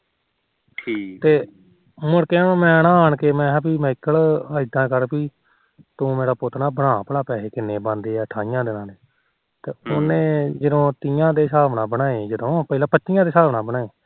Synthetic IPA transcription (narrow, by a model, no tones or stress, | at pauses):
t̪eː | mʊɽkeːãːmɛ̃ːnãːaːɳkeːmɛ̃ːpiːmɛ̃ːɪkːəɭəid̪ãːkəɾpiː | t̪ũːmeːɾaːpʊt̪naːbəɽaːpəɽaːpɛːɦeːkɪnːeːbãːnd̪eːɛːəʈʰaːɪjãːd̪ɪnãːd̪eː | t̪eːʊnẽːd͡ʒəd̪õːt̪iːjãːd̪eːsaːʋnaːbənaːeːd͡ʒəd̪õːpəilãːpətːʃijãːd̪eːsaːʋnaːbənaːeː